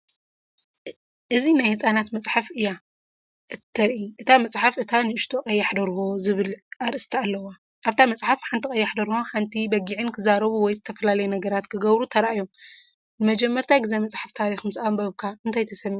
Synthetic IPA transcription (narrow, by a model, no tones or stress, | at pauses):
ʔɨzinajhɨt͡sʼanat̪mɐt͡sʼħafʔɨjːa | ʔɨt̪ʰːɐɾʔiʔɨt̪ʰamɐt͡sʼħafʔɨt̪ʰanɨɨʃt̪ʰokʼɐjːaħd̪ɐɾhozɨβɨlʔaɾʔɨst̪ʰɐalːɐwa | ʔaβt̪ʰamɐt͡sʼħafħant̪ʰikʼɐjːaħd̪ɐɾhoħant̪ʰibɐɡiʕɨnkʰɨzaɾɐβuwɔjzɨt̪ʰɐfɐlalɐjunɐɡɐɾat̪kʰɨɡɐβɾut̪ʰɐɾaʔjom | nɨmɐd͡ʒɛmːɐɾt̪ʰaɡɨzemɐt͡sʼħaft̪ʰaɾixmɨsambɐβkʰaʔɨnt̪ʰajt̪ʰɐsɐmːiʕ